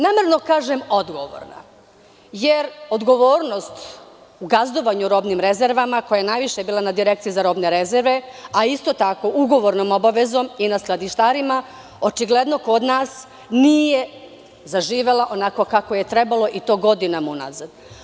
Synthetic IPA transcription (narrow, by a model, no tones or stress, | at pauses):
nameɾno̞kaːʒemo̞d̪ɡo̞ʋo̰ɾna̰ | jeɾo̞d̪ɡo̞ʋo̞ːɾno̞st̪ | uɡazd̪o̞ʋaɲuɾo̞bnimɾe̞zeɾʋamako̞jajenajʋiʃebiːlˠanad̪iɾek̚t̪ijizaɾo̞bne̞ɾezeɾʋe̞aist̪o̞t̪ako̞ʔuɡo̞ʋo̞ɾnoːmo̞baʋezo̞minasklˠad̪iʃt̪aːɾima | o̞t͡ʃiɡle̞d̪no̞ko̞d̪naːs | nije | zaʒiːʋe̞laʔo̞nako̞kako̞je̞t̪ɾe̞balo̞ʔit̪o̞ːɡo̞d̪inamuna̰zad̪